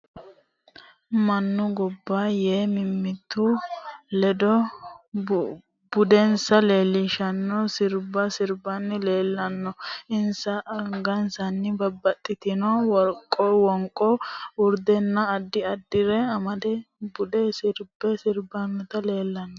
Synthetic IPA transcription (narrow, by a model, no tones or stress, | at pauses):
mɐnːʊɡɔbːaːjeːmɪmːɪt̪ʰːʊlɛd̪ɔ | b̥ʊd̪ɛnsɐle̞ːlːɪʃɐnːɔsɪɾbɐsɪɾbɐnːɪleːlːɐnːɔɪnsɐʔɐŋɡɐnsɐnːɪbɐbːɐt̪ʼːɪt̪ɪnɔwɔɾkʼːɔwɔŋkʼːɔwʊɾd̪ɛnːɐːd̪ːɪɐd̪ːɪɾɛɐmɐd̪ɛbʊd̪ɛsɪɾbɛsɪɾbɐnːɛt̪ɐle̞ːlːɐnːɔ